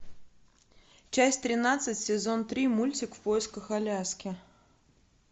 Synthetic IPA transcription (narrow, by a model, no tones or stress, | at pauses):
t͡ɕæsʲtʲt̪ɾʲɪnat̪sɨtʲsʲɪzont̪ɾʲimulʲt͡sʲɪkfpojɪskəxalʲaskʲɪ